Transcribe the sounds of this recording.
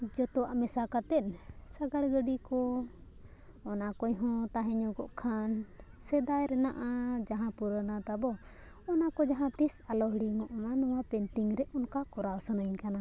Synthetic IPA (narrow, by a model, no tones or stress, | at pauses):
d͡ʒɔt̪ɔwaʔmɛsakat̪ɛnsaɡaɽɡəɖikɔ | ɔnakɔjɦɔ̃t̪aɦɛɲɔɡɔʔkʰan | sɛd̪ajɾɛnaʔad͡ʒaɦãpuɾənat̪abɔ | ɔnakɔd͡ʒaɦãt̪isalɔɦɽiŋɔʔmanɔwapɛnʈiŋɾɛʔɔnkakɔɾaɔsanəɲkana